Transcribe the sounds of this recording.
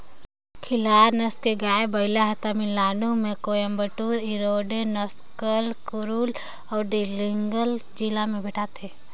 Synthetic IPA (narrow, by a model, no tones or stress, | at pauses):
kʰɪlaːɾnəskeɡaːebəɪlaɦət̪amilaːnumẽkoːjəmbəʈuːɾiɾoːɖenɔskəlkʊɾuːl | ɔːɾɖiliŋɡəld͡ʒilamẽbɛʈʰat̪ʰeː